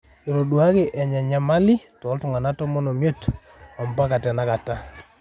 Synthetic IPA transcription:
i˨ɾo˨ɗu˨a˦kɪ˨ʔɛ˨ɲɛ˨ɲɛ˨ma˦lɪ˦tɔ˨˦ltu˨ŋa˨na˦tɔ˦mɔ˦no˨mje˦t | ɔ˨mpa˦ka˨tɛ˨na˦ka˨ta˦

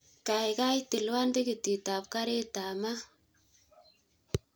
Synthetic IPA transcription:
ka˨jka˦jtɪ˨lwa˦ndi˦ki˨ti˨ta˨p̚ka˦ɾe˦ta˨ma˦

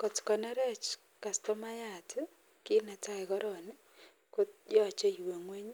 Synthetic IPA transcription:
kɔ˨tkɔ˨nɛ˦ɾɛ˦t͡ʃ | ka˨stɔ˦ma˦ja˦t | ki˦nɛ˨ta˦ɪ˨ɡɔ˦ɾɔ˨nɪ˦ | ko˦t̚d͡ʒɔ˦˨t͡ʃe˦i˨we˨ŋwe˦ɲ˦

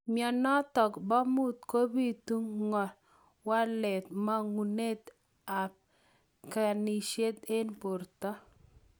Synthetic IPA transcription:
mjɔ˨nɔ˦tɔ˨kbɔ˦mu˦t̪̚ko˦bi˦tu˦ŋŋɔ˨l | wa˦lɛ˨t̪̚ma˦ŋu˨ne˦t̪ | a˨p | ka˨ni˨ʃe˦t̪e˦npo˨rt̪ɔ˦

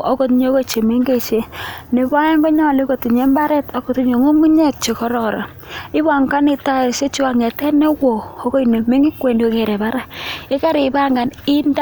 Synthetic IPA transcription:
ɔ˦ko˦tɲo˦ko˦˨t͡ʃe˨me˦ŋɡe˦t͡ʃe˦ne˨βa˦ɛ˦ŋɡo˦ɲɔ˦˨li˦ko˨ti˨ɲe˨˦mba˦ɾɛ˦tɔ˦ko˨tu˦ɲo˨ŋo˦mu˦ɲɛ˦t̚t͡ʃe˨kɔ˦ɾɔ˨ɾɔ̰˨ | ɪ˦βa˨ŋka˦nɪ˨ta˦˨se˦t͡ʃu˦a˨ŋɛ˨tɛ˦nɛ˦wo˨o˦ko˦i˨ne˨me˦ŋi˦kwe˨ndo˦ke˨ɾɛ˨ba˦ɾa˦ɪ˦ka˦ɾɪ˨ba˦ŋɡa˨ni˦nd

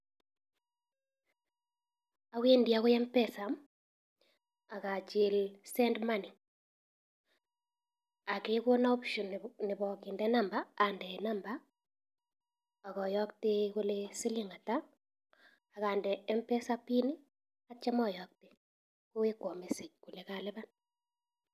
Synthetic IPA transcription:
a˦we˦ndi˨a˨ɣo˦jɛ˦mpɛ˦sa˨m | a˨ka˨t͡ʃɪ˦lsɛ˦ndma˦ni˨ | a˨ke˦ko˦na˦o˦pʃo˨nnɪ˨βɔ˨kɪ˨ndɛ˦na˦mba˦a˨ndɛ˨na˦mba˦˨ | ɣɔ˨jɔ˦kteko˦lesɪ˦li˦ŋa˨ta˦ | a˨ɣa˨ndɛ˨ɛ˦mpɛ˦sa˦pi˦ni˦ | a˦t͡ʃa˦mɔ˦˨jɔk̚te˨ | ko˦we˦kwɔ˨me˨se˨k̚ku˨le˨ka˦lɛ˦βa˦n

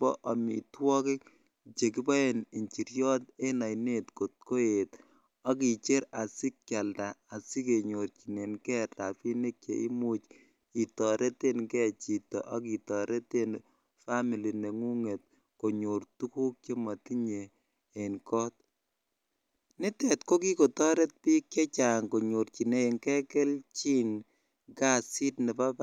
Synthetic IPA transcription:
pɔ̰˦ʔa˨mḭ˨twɔ˦ki˦ | t͡ʃe˨k̬i˦pɔ˦e˨ni˨ɲt͡ʃi˨ɾjɔ˦te˦na˨jne˦tko˨t̚ko˦e˨t | a˦ki˨t͡ʃe˦ɾa˨sɪ˦k̚t͡ʃa˨ldaː˨sɪ˦ke˨ɲo˨ɾt͡ʃi˨ne˨nkɛ˦ta˨pi˦ne˦k̚t͡ʃḛ˨ḭ˦mu˦t͡ʃ | i˨tɔ˨ɾʔe˦te˦nkɛ˦t͡ʃi˨tɔ̰˨ʔɔ˦ki˨tɔ˨ɾʔe˦te˦n | fa˦mi˨li˨ne˨ŋu˦ŋe˨t̚ | ko˨ɲo˨rtu˦ku˦k̚t͡ʃe˦ma˨ti˦ɲeː˨ | nkɔ˦t̚ | nɪ˦tɛ˨tko˦ki˦ko˨tɔ˦ɾɛ˦t̚pi˦kt͡ʃɛ˦t͡ʃa˨ŋko˨ɲo˨ɾt͡ʃi˨ne˦e˨ŋkɛ˦kɛ˦lt͡ʃi˦n | ɡa˦si˦tnɛ˨pa˦p

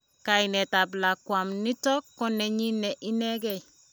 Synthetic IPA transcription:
ka˨i˨nɛ˨ta˨bla˨kwa˨mnɪ˦tɔ˦kːɔ˦nɛ˨ɲi˦nɛ˨ʔi˦nɛ˦ɡɛ˨

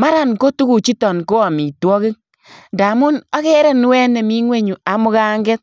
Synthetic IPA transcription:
ma˦ɾa˨nko˦tu˦ku˨t͡ʃi˦tɔ˨nko˦a˨mi˨twɔ˦ki˦ŋ̚ | nda˨mu˦na˦ke˦ɾɛ˦nu˦wɛ˦ne˨mi˦ŋwe˦ɲu˨a˨mʊ˦ka˦ŋɡɛ˦t̚

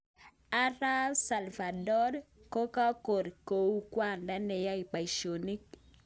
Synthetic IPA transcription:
a˦ɾa˦sa˨lva˨dɔ˦ɾko˦ka˦ko˨ɾko˨u˦kwa˦˨nda˦nɛ˨ja˦i˨pa˨i˨ʃo˨ni˦k

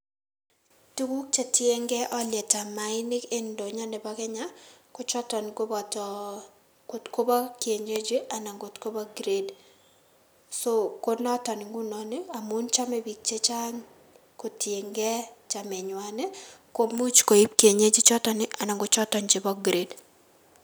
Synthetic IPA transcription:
tu˦ku˦k̚t͡ʃe˨tje˦ŋɡɛ˦ʔɔ˦ljɛ˨ta˨ma˨ɪ˦nɪ˦ke˦ndo˨ɲa˦nɪ˨ba˦kɛ˦ɲa˦ko˦t͡ʃɔ˦tɔ˨nko˦bɔtɔ | ko˨tko˦ba˦kje˨ɲe˦d͡ʒi˦ʔa˨na˨ŋɡo˨tko˦ba˦ɡɾe˦d | so˦ko˦nɔ˦tɔ˨nɪ˨ŋɡu˦nɔ˨nɪ˦a˨mu˦nt͡ʃa˦mɛ˦bi˨k̚t͡ʃe˦t͡ʃa˦n | ko˨tje˨ŋɡɛ˦t͡ʃa˨mɛ˨ɲwa˨nɛ˦ko˨bmu˦t͡ʃko˨i˦pkje˨ɲe˦d͡ʒɪ˦t͡ʃɔ˦tɔ˨nɪ˦ʔa˨na˨ŋɡo˨t͡ʃɔ˦tɔ˨ɲd͡ʒɪ˨bɔ˦ɡɾe˨d

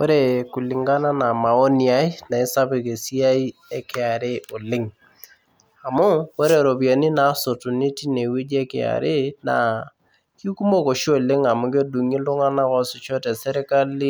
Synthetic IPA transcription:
wo˦ɾe˦˨ku˨lɪ˨ŋɡa˦na˦na˨ma˨o˦ni˨a˦i˦na˨ɪ˦sa˦bɪ˨ke˨si˦a˦i˦ɛ˦kɪ˨a˨ɾɪ˦o˨lɪ˦ŋ | a˨mʊ˦wo˦ɾe˦˨ɾo˨bi˨a˨ni˦na˨˦so˨tʊ˨ni˦ti˦ne˨we˦d͡ʒe˦kɪ̰˨a̰˨ɾɪ˦na̰˨ | ki˦ku˦mo˦ko˨ʃi˦o˨lɪ˦ŋa˨mʊ˦ke˦du˨ŋi˦lʊ˦ŋa˦na˦kɔ˦sʊ˦t͡ʃɔ˦te˨se˦ɾe˦ka˦li˦

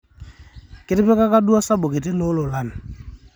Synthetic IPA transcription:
kɪ˦tɪ˦pɛ˦ka˦ka˦du˦a˦sa˦bʊ˨kɪ˨t̬ɪ˦no˦lʊ˨la˦˨n˨

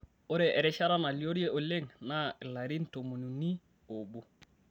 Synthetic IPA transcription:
o˦ɾe˨ʔe˨ɾe˦ʃa˦ɾa˦na˨li˦o˦ɾie˦ʔo˨le˦ŋna˦i˨la˨ɾi˦nto˨mu˨nu˨ni˦ | o˨bu˦

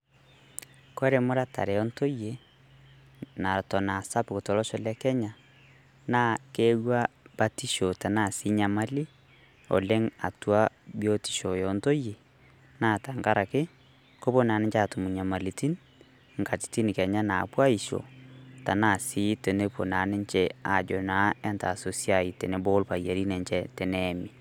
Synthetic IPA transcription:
kwɛ˦ɾe˨mo˦ɾa˦ta̰˨ɾe˨ɔ˦nto˦je˨ | na˨tɔ˨na˨sa˦pko˨tɔ˨lɔ˦ʃɔ˨lɛ˦kɛ˦ɲa˨ | na˦ke˦wa˦βa˦ti˦ʃo˨ta˨na˨si˦ɲa˨ma˦li˦ | o̰˨lɛ˦ŋa̰˨tu˨˦a˦βjo˦ti̥˨ʃɔ˨jɔnto˦je˨ | naː˦˨ta˨ŋka˦ɾa˨kɪ˦ | ko˦bo˦naː˨nɪ˦t͡ʃa˦˨tʊ˨mu˨ɲa˨ma˨li˨ti˦n | ŋ̩˨ka˨ti̥˨ti˦ni˨kɛ˨ɲa˦na˨pwa˦i˨ʃo̰˨ta˨na˦˨si˦te˨ne˦po˨na˨nɪ˦ɲt͡ʃɛ˦a˨d͡ʒo˨na˨˦ɛ˦nta̰˨so˨sja˨i˨tɛ˨ne˦bo˦lpa˨ja˨ɾi˦nɛ˨ɲt͡ʃɛ˦tɛ˨nɛ˦mi˨

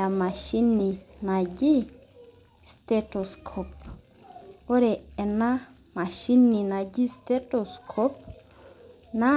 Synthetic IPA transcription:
a˨ma˨ʃi˦ni˨na˨d͡ʒi˦ | ste˦to˨skʰo˨p | o˦ɾe˨e˨na˦ | ma˨ʃi˦ni˨na˨ɟi˦ste˦to˨skʰo˦p̚ | na˦

